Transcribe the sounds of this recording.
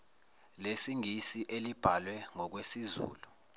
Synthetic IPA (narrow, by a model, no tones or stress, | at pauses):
lesiŋisiʔelib̥ʱalwɛŋɔk̬wesizṵːlu